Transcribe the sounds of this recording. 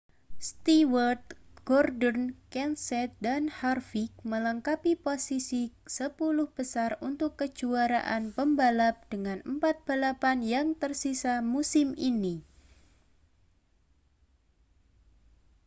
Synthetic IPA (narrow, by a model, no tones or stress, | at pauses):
st̪iwərt̪̚ɡ̥ɔrdɔnkɛnsɛt̪̚danharfik̚mələŋkapiposisisəpulʊhb̥əsarunt̪ʊkːə̥d͡ʒ̥uaɾa̰ʔanpəmbalap̚d̥əŋanəmpat̪̚b̥a̤lapanjaŋt̪ərsisamusɪmini